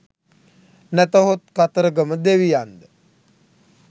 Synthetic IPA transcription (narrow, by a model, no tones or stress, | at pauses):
næt̪əɦot̪kat̪əɾəɡəməd̪eʋijand̪ə